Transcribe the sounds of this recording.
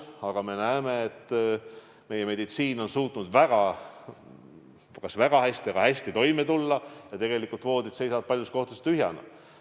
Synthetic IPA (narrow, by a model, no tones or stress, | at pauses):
ɑɡ̥ɑme̞næeme̞ːt̪ːˑ | me̞je̞me̞d̪it̪siːno̞nsuːt̪ˑnud̪̥væɡ̥ɑ | kɑsvæɡ̥ɑhæsʲt̪iɑɡ̥ɑhæsʲt̪it̪o̞jmet̪ulːɑjɑt̪e̞ɡ̥e̞likːˑult̪vo̞ːd̪id̪̥se̞jsɑd̪̥̚pɑljust̪ko̞ht̪ust̪yɦjɑ̰nɑ̰